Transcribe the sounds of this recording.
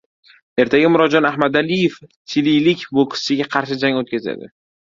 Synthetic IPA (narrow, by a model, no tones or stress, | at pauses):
e̞ɾt̪ʰaɡʲɪmʊɾɒd͡ʒɒnahmad̪alijef | t͡ʃʰɪlijlɪkʲbokʰɪ̥sɪɡʲaqʰɑɾʃɪd͡ʒaŋot̪̚kʲaza̰d̪ɪ